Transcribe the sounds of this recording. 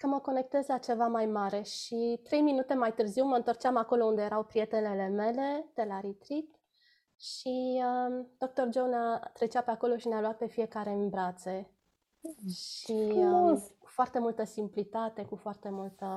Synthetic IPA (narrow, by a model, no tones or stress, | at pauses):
kəməko̞ne̞k̚t̪ezlat͡ʃe̞vamajmaɾe̞ʃit̪ɾe̞jminut̪e̞majt̪ɨrziwməɨnt̪ort͡ʃamako̞lo̞und̪e̞jeɾawpɾije̞t̪enele̞me̞le̞d̪̥elaɾit̪ɾit̪ | ʃiəd̪̥o̞k̚t̪o̞rd͡ʒownat̪ɾe̞t͡ʃape̞ako̞lo̞ʃinealuat̪̚pe̞fie̞kaɾe̞ɨmbɾat̪se̞ | ʃi | kufoart̪e̞mult̪əsimplit̪at̪e̞kufoart̪e̞mult̪ə